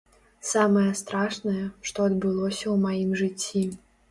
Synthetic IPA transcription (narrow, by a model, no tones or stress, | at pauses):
samɐjɛst̪ɾaʂnɐjɐʂt̪ɔɐd̪bɨlˠɔsʲɐwmajimʐɨt͡sʲːi